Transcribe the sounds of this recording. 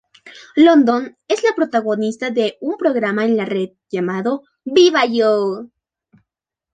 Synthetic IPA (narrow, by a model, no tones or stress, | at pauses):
lo̞nd̪one̞zlapɾo̞t̪aɣo̞nist̪aðe̞umpɾo̞ɣɾamaenlare̞ðʝamaðo̞ | biβajo